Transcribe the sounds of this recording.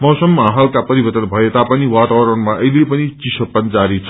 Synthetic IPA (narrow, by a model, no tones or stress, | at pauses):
mʌwsʌmːɦalkapʌɾibʌrt̪ʌnbʱʌet̪apʌniwat̪awɾʌnmaʔʌilepʌnit͡sisʌpːʌnt͡saɾit͡sʰ